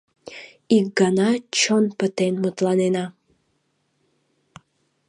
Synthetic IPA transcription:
ik̚ɡɑnɑt͡ɕonpə̆t̪enmot̪lɑnenɑ

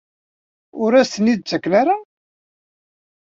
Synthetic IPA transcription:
ʊɾæsənid̪̚t͡sːækːnaɾa

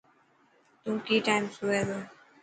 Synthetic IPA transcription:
t̪ũkiːʈaːɪmsueːd̪oː

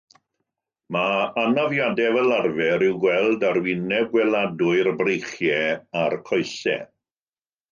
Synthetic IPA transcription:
maanavjadɛvɛlarvɛɾɪwɡwɛlˠdaɾwɪnɛb̚ɡwɛladʊɨrbrejχjɛarkʰɔjsɛ̰

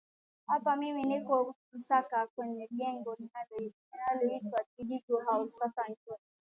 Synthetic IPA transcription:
hapamiminikɔm̩sakakwɛɲɛɡɛŋɡɔninalninalɔitwaɡiɡituɦaʊssasan̩t͡ʃɔni

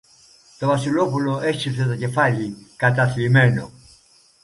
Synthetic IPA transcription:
t̪oβasulopuloʔet͡ʃiθeðacefaʎikat̪aθlimeno

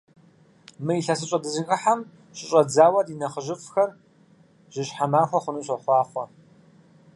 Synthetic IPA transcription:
mɨjiɬɐs̬ɨɕʼɐdɨzɨkʼɨħam | ɕʼɪɕʼɐd͡zaːwɐrinɐχəʒɪfʼxɐr | ʒ̥ɪɕħamaːxʷɔχʷʊnɨɕʷɐχʷɑːχʷɔ

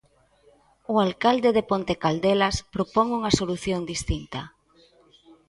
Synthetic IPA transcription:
ʊalkald̪eðepont̪ekald̪elaspɾopɔŋuŋasoluθjoŋd̪ist̪int̪ɐ

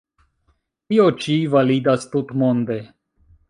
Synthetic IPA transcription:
t̪iot͡ʃivalid̪ast̪ut̪mond̪e

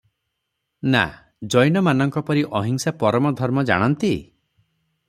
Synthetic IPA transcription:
na̰ | d͡ʒɔjnɔmanɔŋkɔpɔɾiʔɔɦiŋsapɔɾɔmɔd̪ʱɔɾmɔd͡ʒa̰ɽ̃ɔnt̪i

